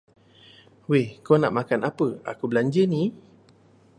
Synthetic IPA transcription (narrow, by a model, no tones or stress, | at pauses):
wehkona̰ʔmakanapəa̰kubəlaɲd͡ʒəni